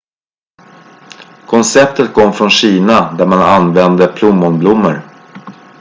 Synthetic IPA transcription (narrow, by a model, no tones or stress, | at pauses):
kʰɔnsɛp̚t̪ʰət̪̚kʰɔmːfɾɔnɕiːnad̪æɾmananvɛnd̪əpʰlʊmːɔnblʊmːəɾ